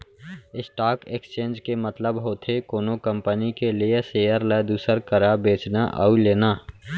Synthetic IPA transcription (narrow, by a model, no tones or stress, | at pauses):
ɪsʈaːkeːkst͡ʃẽːnd͡ʒkemət̪ləbɦoːt̪ʰekoːnokə̃mpənikelijeseːjəɾlɛːd̪uːsəɾkəɾabeːt͡ʃnaʔa̰uleːnaː